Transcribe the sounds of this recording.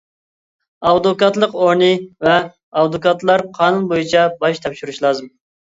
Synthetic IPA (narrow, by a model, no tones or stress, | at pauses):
ɑwd̪okɑt̪lˠəqoɾnɨvɛ | ɑwd̪okɑt̪lˠɑɾqʰɑːnunbojit͡ʃʰɛbɑʃt̪ʰɛpʃuɾuʃlˠɑːzɨm